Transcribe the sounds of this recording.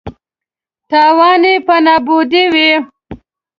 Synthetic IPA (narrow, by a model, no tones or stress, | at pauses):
t̪ɑːwɑːnipanɑbud̪iwi